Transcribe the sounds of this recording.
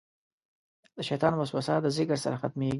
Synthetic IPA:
d̪̥əʃajt̪ɑnwɑswasad̪əzɪkəɾsa̰ɾaxat̪meɡ

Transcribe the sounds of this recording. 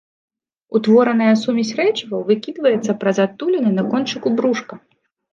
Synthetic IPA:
ut̪vɔɾɐnɐjɐsumʲisʲɾɛt͡ʃivɐwvɨkʲid̪vɐjɛt̪sːɐpɾɐzat̪ːulʲinɨnɐkɔnt͡ʂɨkubɾuʂkɐ

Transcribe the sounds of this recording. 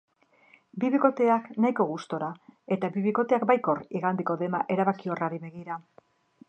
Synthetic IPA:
biβiko̞t̪e̞aknajko̞ɣust̪o̞ɾae̞t̪abiβiko̞t̪e̞akbajko̞riɣand̪iko̞ðe̞maʔe̞ɾaβakio̞raɾiβe̞ɣiɾa

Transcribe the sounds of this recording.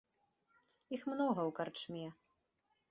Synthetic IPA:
ixmnɔɣɐwkart͡ʂmʲɛ

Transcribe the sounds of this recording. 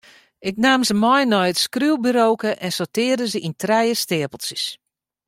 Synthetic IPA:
ʔɪk̚naːmzəmɔjnɔjətskrywbəɾoːkəʔɛnsortɪːrdəzəʔintrɛjəstɪəpəlˠsəs

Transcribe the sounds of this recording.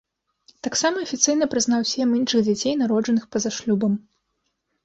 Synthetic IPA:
t̪aksamɐːfʲit̪sɨjnɐpɾɨznawsʲɛminʂɨɣd͡zʲat͡sʲejnaɾɔd͡ʒɐnɨxpɐzaʂlʲubɐm

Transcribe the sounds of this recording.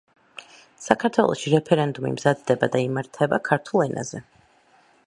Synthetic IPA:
sakʰaɾt̪ʰwɛ̰lˠɔ̰ʃiɾɛpʰɛɾɛnd̪umḭmz̥ad̪ːɛbad̪aimaɾt̪ʰɛbakʰaɾt̪ʰulˠɛnʔa̰zɛ

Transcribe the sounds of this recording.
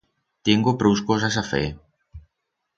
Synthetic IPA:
t̪eŋɡopɾuskos̬as̬afḛ

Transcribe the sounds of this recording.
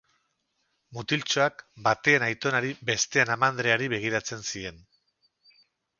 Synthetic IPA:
mut̪ilt͡ʃoakbat̪e̞anajt̪o̞naɾibe̞st̪e̞anamand̪ɾe̞aɾiβe̞ɣ̞iɾat͡se̞nsie̞n

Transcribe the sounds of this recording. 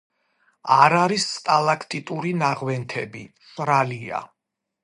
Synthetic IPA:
aɾaɾisːt̪ʼalˠakʰt̪ʼit̪ʼuɾinaʁwɛnt̪ʰɛbi | ʃɾalia̰

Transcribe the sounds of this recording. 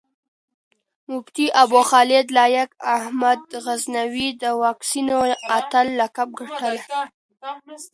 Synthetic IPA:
mʊbt̪iʔaboxɑlɪd̪lɑjakahmad̪ɣaznawid̪əwɑksinoat̪alːakab̚ɡəʈəla

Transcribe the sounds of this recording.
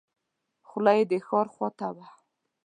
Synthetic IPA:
xʊlajed̪əxɑɾxwɑt̪awa

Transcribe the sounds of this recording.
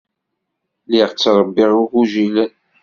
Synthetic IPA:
liʁt͡sːɾˤəbːɪʁʊxuʒilæn

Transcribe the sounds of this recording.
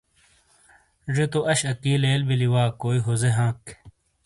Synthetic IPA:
ʐet̪oʔɐɕɐkiːleːlbiliwaːkoːiɦozeɦãːk

